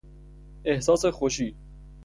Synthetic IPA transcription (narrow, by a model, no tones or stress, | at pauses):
ehsɒːsexoʃiː